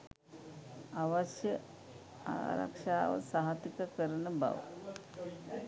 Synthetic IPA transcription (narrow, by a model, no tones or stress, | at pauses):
aʋɐʃjə | a̰ɾɐ̰kʂaːʋɐ̰saɦɐt̪ikɐkəɾɐnəba̰ʋ